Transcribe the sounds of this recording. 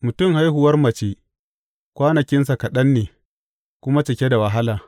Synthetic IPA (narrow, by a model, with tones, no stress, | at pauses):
mʊ˨tʊ˦˨mha˦jɦʊ˨wɐ˦rmɐ˨t͡ʃe˦ | kʷaː˦nɐ˨kʲɪ˦ns̬a˨kɐ˨ɗɐ˦nːeː˨ | kʷʊ˦ma˦t͡ʃɐ˨kʲe˦da˨wɐ˨ɦa˦laː˨